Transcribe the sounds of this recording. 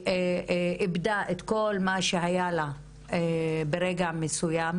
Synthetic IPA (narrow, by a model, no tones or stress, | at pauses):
eibd̪aʔet̪ko̞lmaʃeɦajala | ebeɾeɡamesujam